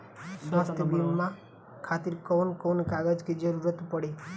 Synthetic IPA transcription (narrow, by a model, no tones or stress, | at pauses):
sʋast̪ʰjəbimmã | kʰat̪iɾkɔwnkonkaɡəd͡ʒkid͡ʒəɾuɾət̪pəɽe